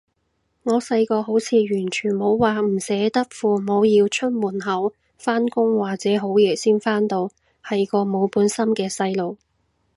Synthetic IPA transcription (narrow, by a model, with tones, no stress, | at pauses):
ŋɔː˨˧sɐ˧jkɔː˧ɦo˨˥wt͡sʰiː˨˧ɥyː˨˩nt͡ʃʰyː˨˩nmo˨˧wwaː˨m̩˨˩sɛː˨˥t̪ɐ˥k̚fuː˨mo˨˧wjiː˧wt͡ʃʰɵ˥t̚muː˨˩nɦɐ˨˥w | faː˥nkʊ˥ŋwaː˨k̚t͡sɛː˨˥ɦo˨˥wjɛː˨˩siː˥nfaː˥nt̪o˧w | hɐ˨jkɔː˧mo˨˧wpuː˨˥nsɐ˥mkɛː˧sɐ˧jlo˨w